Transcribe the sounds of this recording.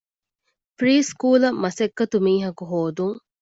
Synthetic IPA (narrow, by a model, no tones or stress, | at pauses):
fɾiːskuːlɐmɐsekːɐt̪umiːɦɐkuɦoːd̪uŋ